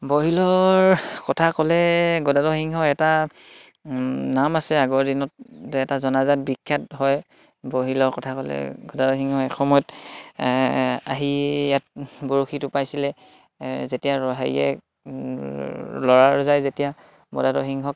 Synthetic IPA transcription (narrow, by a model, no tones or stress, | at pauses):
boɦilɔɹkɔtʰakɔlɛɡɔdadɔxiŋɦɔɛta | namasɛaɡɔɹdinɔt̚dɛɛtazɔnazat̚bikʰːjatɦɔj | boɦilɔɹkɔtʰakɔlɛ̰ɡɔdadɔxiŋhɔɛxɔmɔjɔt | a̰ɦijat̚boɹoxitʊpajsilɛ | zetijaɹɔɦajɛ̰ | lɔɹaɹzajzetija | ɡɔ̰dadɔxiŋɦɔk̚